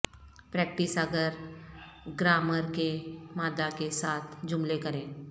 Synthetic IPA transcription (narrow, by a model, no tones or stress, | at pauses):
pɾɛːk̚ʈɪsəɡəɾ | ɡɾaːməɾkemaːd̪akesaːt̪ʰd͡ʒʊ̃mlekɐɾẽː